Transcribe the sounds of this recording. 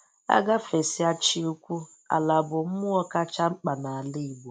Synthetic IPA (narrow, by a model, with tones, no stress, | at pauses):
a̰˦ɡa˦fe˨si˦a˦t͡ʃi˦u˦kʷu˦ | a̰˨la˨bʊ˨m̩˦mʊ˦ɔ˦ka˦t͡ʃa˦ŋ͡m̩˦k͡pa˨na˨a˨lɪ˦i˨bo˨